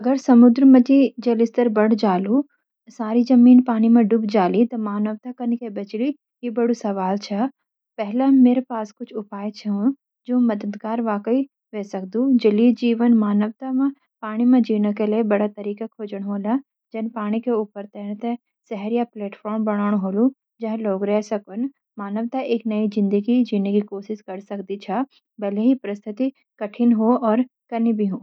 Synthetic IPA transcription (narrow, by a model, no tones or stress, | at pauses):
ɐɡəɾsɐmʊd̪ɾmɐt̪id͡ʒɐlɪst̪əɾbɐɽ̤d͡ʒaːlu | saːɾizɐmiːnpaːɽ̃imãɖʊbd͡ʒaːlit̪ɐmaːnəʋt̪akənɪ̆kʰebɐt͡ʃli | ɦibɐɽ̤usɐʋaːlt͡ʃʰɐ | pɛɦlameːɾepaːskʊt͡ʃʰʊpaːet͡ʃʰɐ̃ | d͡ʒõːmɐd̪əd̪ɡaːɾʋaːkəi | ʋeːsɐk̚d̪ud͡ʒɐlid͡ʒiːʋənmaːnəʋt̪amã | paːɽ̃imẽd͡ʒiːnəkeliebɐɽat̪ɐɾiːkakʰoːd͡ʒəɽ̃ɦoːla | d͡ʒɐnpaːɽ̃ikeuːpəɾt̪ɛːñt̪e | sɛɦəɾjapleːʈfʰɔːɾmbɐɽ̃aːɽ̃ɦoːlu | d͡ʒɐɦloːɡɾɛːsɐkən | maːnəʋt̪aeːknɐid͡ʒɪ̃nd̪əɡid͡ʒiːnekikoːʃɪʃkɐɾsɐkd̪it͡ʃʰa | bɛːleɦipɾəst̪ʰɪt̪i | kɐʈʰɪnɦoːɔːɾ | kɐɾnibʱiɦõː